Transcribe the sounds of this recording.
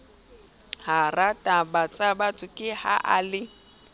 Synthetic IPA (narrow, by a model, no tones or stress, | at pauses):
haratʼabat͡sʼabatʰʼʊkʼɪhaʔalɪ